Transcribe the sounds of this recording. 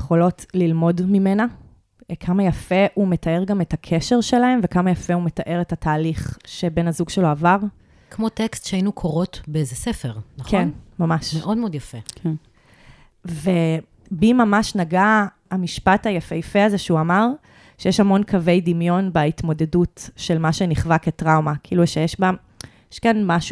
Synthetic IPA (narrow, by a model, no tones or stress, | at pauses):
jeχo̞lo̞tlilmo̞dmimena | kʰamajafeʔumetae̞ʁɡametakʰeʃe̞ʁʃelae̞mvekamajafeumetaʔe̞ʁetataːliχʃebe̞nazuɡʃeloavaʁ | kmotekstʃeainukʰoʁo̞tbeezesefeʁnaχkʰenmamaʃmeʔo̞dmeod̪jafekʰen | ve | bimamaʃnaɡaː | miʃpatajafejafeazeʃeuamaʁ | ʃejeʃhamo̞nkʰavejdimjo̞nbaitmo̞de̞dutʃe̞lmaʃeniχvaketʁawmakiiluʃejɛʃba | jeʃkanmaʃu